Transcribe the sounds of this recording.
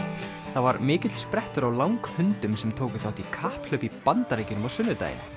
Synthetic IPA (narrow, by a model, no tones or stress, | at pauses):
θavaɾmɪːcɪt̪lspɾɛht̪ʏɾawlawŋkhʏnt̪ʏmsɛmt̪ʰoːwkʏθawt̪ikʰahpl̥œːpipant̪aɾejcɪnʏmawsʏnːʏt̪a̰jɪ̰na